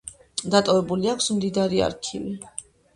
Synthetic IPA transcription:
d̪at̪ʼɔvɛbuliakʰsmd̪id̪aɾia̰ɾkʰḭvi

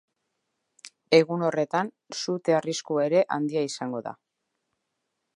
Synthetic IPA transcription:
e̞ɣuno̞re̞t̪an | sut̪eariskue̞ɾe̞ʔa̰nd̪iaisaŋɡo̞ða̰

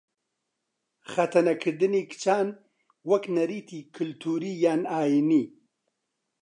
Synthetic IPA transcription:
χat̪ɐnɐkʰəd̪ɨnikt͡ʃaːn | wɐknɐɾiːt̪ʰikʰɨlt̪ʰuɾijaːnaːini

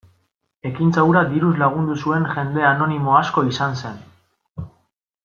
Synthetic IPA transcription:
e̞kint͡sawɾad̪iɾuzlaɣ̞und̪usue̞ŋʝe̞nd̪e̞ano̞nimo̞asko̞isanse̞n

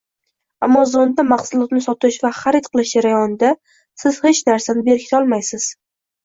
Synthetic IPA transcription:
amːɒzond̪amaχsʊlˠɒt̪nɪsɒt̪ɪʃvaχaɾet̪qʰɨlˠɪʃd͡ʒaɾajɒnɪd̪a | sɪz̥he̞t͡ʃnaɾsanɪbe̞ɾkʲʰɪ̥t̪ʰɒlˠmajsɪz̥

